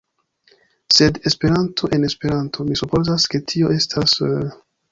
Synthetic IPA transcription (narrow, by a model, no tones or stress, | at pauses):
se̞de̞spe̞ɾantʰo̞ʔe̞ne̞spe̞ɾantʰo̞misupo̞zaske̞tʰio̞e̞stʰas